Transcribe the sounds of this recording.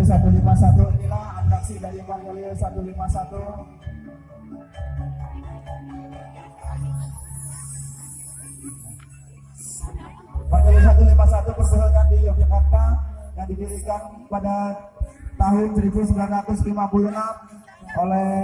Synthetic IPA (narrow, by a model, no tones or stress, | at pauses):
sat̪ulimasat̪uinilahat̪aksidajipanulisat̪ulimasat̪u | panulis̬at̪̬ulimas̬at̪upərbəsak̪andiokɛkapajaŋdibilikanpada | t̪aɦʊnsəɾibusəblarat̪ʊslimapulunam | olɛ